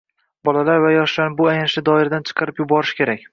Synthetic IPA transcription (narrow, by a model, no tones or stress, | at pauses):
bɒlalaɾvajɒʃlanɪbʊajanɪʃɪd̪ɒɪɾad̪ant͡ʃʰɨ̥qʰɑɾɪpjʊbɒɾɪʃkʲʰe̞ɾakʲ